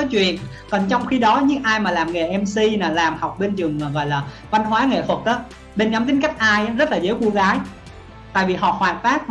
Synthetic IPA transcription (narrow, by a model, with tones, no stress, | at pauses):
ɔ˨˦t͡ɕwḭ˧˨ən | kɔ˨˩nt͡ɕɔ˧wŋ͡mxi˧ɗɔ˨˦ɲɨ̰˧˥ŋʔaː˧jmaː˨˩laː˨˩mŋe˨˩ʔɛ˧msi˧naː˨˩laː˨˩mha˨˩wk͡p̚ɓe˧nt͡ɕɨ˨˩əŋmaː˨˩ɣɔ̰˧˨jlaː˨˩va˧nhwaː˨˦ŋḛ˧˨t̪ʰwə˨˩t̚ʔaː˨˦ | ɓe˧nɲɔ˨˦mt̪ï˨˦ŋ̟ka˦˥jk̟̚ʔaː˧jʔzə˦˥t̚laː˨˩zəː˨˦jxu˧ɣaː˨˦j | t̪a̰ː˧˨jvi˨˩ɦɔ̰˧˨xwaː˨˩t̚faː˦˥t̚v